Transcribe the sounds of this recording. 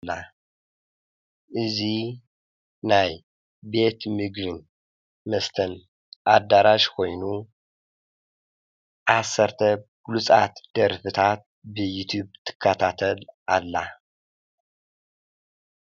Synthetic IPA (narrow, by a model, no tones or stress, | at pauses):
lːa | ʔɨzi | naj | be̞t̪mɨɡɾɨn | mɐst̪ʰɐn | ʔad̪ːaɾaʃkʰo̞jnu | ʔasːɐɾt̪ʰɐɡ̥lut͡sʼat̪d̪̥ɐɾfɨt̪ʰat̪̚bɨjut̪ʰjubt̪ʰɨ̥kʰːat̪ʰat̪ʰɐlʔalːa